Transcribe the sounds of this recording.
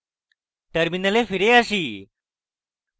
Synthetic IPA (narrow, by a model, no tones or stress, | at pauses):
ʈəɾminəlefiɾeaɕiː